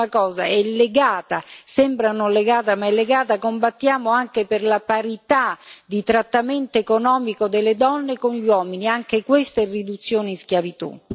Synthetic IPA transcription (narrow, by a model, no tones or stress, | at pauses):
akɔːza̰ɛlːeɡaːt̪asɛmbɾanonleɡaːt̪amaɛlːeɡaːt̪akombat̪ːjaːmoaŋkeperlapaɾit̪ad̪it̪ɾat̪ːamɛnt̪oekonɔːmikod̪elːed̪ɔnːekonʎwɔːminiaŋkekwest̪aɛrːid̪ut̪sːjoːneiskjavit̪ṵ